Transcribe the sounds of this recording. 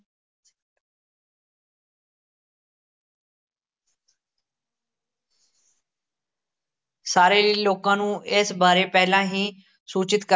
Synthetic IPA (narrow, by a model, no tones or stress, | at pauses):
saːɾeliloːkãːnũːʔeːsbaːɾepɛɦɪlãːɦĩː | suːt͡ʃɪt̪kə